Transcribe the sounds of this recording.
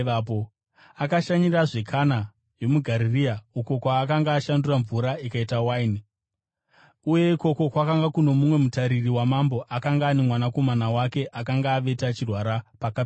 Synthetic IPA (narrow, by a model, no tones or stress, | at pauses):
apo | akaʃaɲiraʐekʰana | jo̞muɡʱaɾiriauko̞kwaːkaŋɡaːʃanduraɱvuɾaikaitawaini | uje̞iko̞ko̞kwakaŋɡakuno̞mumwe̞mutaɾiriwamambo̞ʔakaŋɡaːnemwanako̞manawake̞ʔakaŋɡaːʋe̞tat͡ʃirwaɾapaka